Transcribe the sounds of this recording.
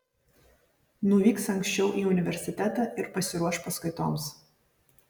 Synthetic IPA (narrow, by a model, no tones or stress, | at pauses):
nʊʋʲiːksɐŋʲksʲt͡ʃʲɛʊʔiːʊnʲɪʋʲɛɾʲsʲɪt̪ʲæt̪ɑːʔɪɾpɐsʲɪɾuɔʃpɐskɐɪt̪oːms